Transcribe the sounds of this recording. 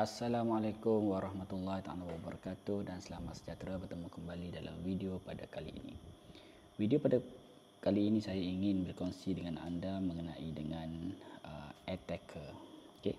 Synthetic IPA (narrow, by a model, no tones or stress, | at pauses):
ʔasːalamalakʊmwaɾɑhmat̪ulːaht̪aa̰lawabəɾakat̪ʊhdansəlamat̪sə̥d͡ʒat̪ɾabərt̪əmũkəmbalidala̰mwidiopadakalḭḭnḭ | widiopada | kaliːnĩsajaiŋɪnbərkɔnsidəŋana̰ndamə̃ŋənaʔidəŋãnə̰ɛt̪ɛkʰəroke